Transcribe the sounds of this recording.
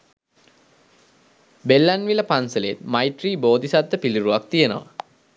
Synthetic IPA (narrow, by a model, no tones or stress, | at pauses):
belːanʋiləpansələet̪majʈriːboːd̪isad̪ːəpiliɾuʋak̚t̪ijenəʋə̰